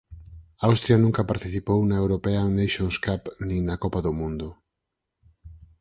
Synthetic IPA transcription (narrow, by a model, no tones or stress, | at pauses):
awst̪ɾjanũŋkɐpaɾt̪iθipownɐewɾopeanejʃõnskapnĩŋnɐkɔpaðʊmũnd̪ʊ